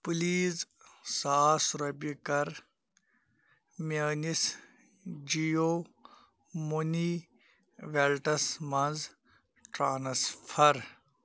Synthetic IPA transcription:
pliːz | saːsuɾɐbikɐɾ | meːnis | d͡ʒijo | moni | ʋelʈɐsmɐnz | ʈɾaːnɐsfʰɐɾ

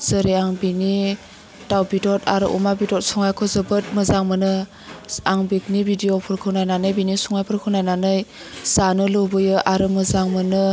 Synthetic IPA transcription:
z̥ɯɾeaŋbini | tawbitɔtaɾɯ̰ʔṵmabitɔt̚sɔŋajkʰɔzɯbɯt̚mɯzaŋmɯnɯ | aŋbik̚nibidiopʰɯɾkʰɯwnajnanɯjbinisuŋajpʰɯɾkʰɯwnajnanɯj | z̥anɯlɯbɯjɯʔaɾɯmɯzaŋmɯnɯ

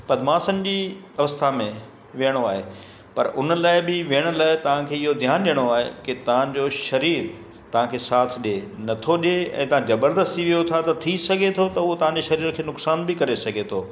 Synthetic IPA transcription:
pɐd̪maːsənɪ̆d͡ʑiː | ɐʋəst̪ʰamẽ | ʋijəɽ̃oaːɦeː | pɐɾʊnə̆laːɪbɪʋiəɽ̃ʊ̆laːɪt̪ɐʋ̤ãkʰeːɪɦod̪ʱjaːnɗijəɽ̃oaːɦḛkɪt̪ɐʋ̤ãd͡ʑoːʃɐɾiːɾ | t̪ɐʋ̤ãkʰeːsaːt̪ʰɗenɐt̪ʰoɗeɛ̰̃ːt̪ɐʋ̤ãzɐbəɾd̪əst̪iʋijot̪ʰat̪ɐt̪ʰisɐɡʱet̪ʰot̪ɐuɦot̪ɐʋ̤ãɲd͡ʑeːʃɐɾiːɾkʰeːnʊksaːnbɪkɐɾesɐɡʱet̪ʰoː

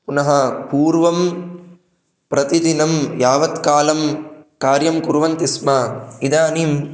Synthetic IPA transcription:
punɐɦɐ̆puːɾʋɐm | pɾɐt̪id̪inɐmjaːʋɐt̪kaːlɐmkaːɾjɐmkuɾʋɐnt̪ismɐid̪aːnim

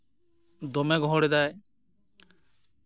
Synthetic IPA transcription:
d̪ɔmɛɡɔɦɔɽɛd̪aj

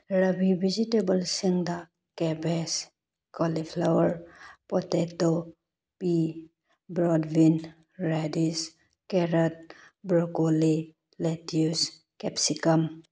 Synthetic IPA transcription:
ɾɐbibʱid͡ʒitebəlsiŋd̪a | kɛbes | kɔlipʰlawəɾpɔteto | pi | bɾɔdbin | ɾadis | keɾət̪̚ | bɾɔkoli | letjus | kɛpsikəm

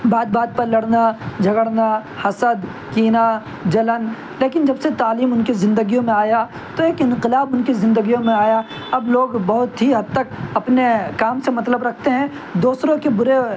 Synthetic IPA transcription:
baːd̪̚baːd̪̚pɐɾlɐɽnad͡ʒʱɐɡəɽnahɐsəd̪ | kiːna | d͡ʒɐlən | leːkɪnd͡ʒɐbset̪aːliːmʊnkizɪ̃nd̪əɡijõmẽaːja | t̪oeːkɪ̃nqɪlaːbʊnkizɪ̃nd̪əɡijõmẽaːja | ɐbloːɡbɐɦʊt̪ɦiɦɐd̪̚t̪ɐk̚ɐpnekaːmsemɐt̪ləbɾɐk̚ʰt̪eɦɛ̃ | d̪oːsɾõkebʊɾe

